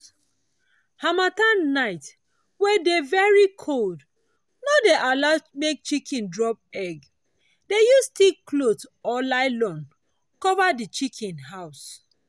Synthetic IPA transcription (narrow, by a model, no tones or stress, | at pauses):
hamatanːaɪt | wɛdevɛɹikʰold | nodeʔalatmek̚t͡ʃikʰĩndɹɔp̚ɛɡ | dejustiklotɔlaɪlɔ̃n | kɔvadit͡ʃikʰĩnɦaʊs